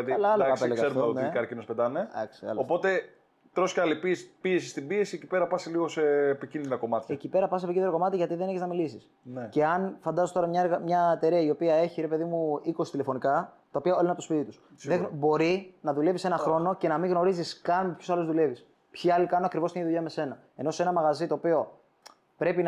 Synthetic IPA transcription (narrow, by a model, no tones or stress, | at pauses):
ɐt̪iɐlɐɐlɐɐspeleɣɐeɾumonikɐɾcinospet̪ɐned̪ɐ̰ksiɐ̰lopo̞t̪e̞ | t̪ɾo̞scɐlipispie̞sist̪imbie̞sie̞cipe̞ɾɐpɐsiliɣoseːpicind̪iɾɐko̞mɐt̪çecipe̞ɾɐpɐsepicind̪iɾokomɐt̪iʝɐt̪iðe̞neçeznɐmilisis | nece̞ɐnfɐnd̪ɐzot̪oɾɐmɲɐeɾɣɐmɲɐet̪e̞ɾiɐio̞piɐe̞çiɾe̞pe̞ðimuiko̞si̥t̪ile̞fo̞nikɐt̪ɐopiɐolenɐt̪ospit̪it̪usðeɣbo̞ɾinɐðule̞visenɐxɾo̞no̞ce̞nɐmiŋɣno̞ɾiziskɐnmepçosɐluzðule̞vis | pçiɐlikɐnoɐkɾivost̪iniðuʝiɐme̞se̞nɐ | e̞no̞se̞nɐmɐɣɐzit̪o̞ːpio̞ | pɾe̞pin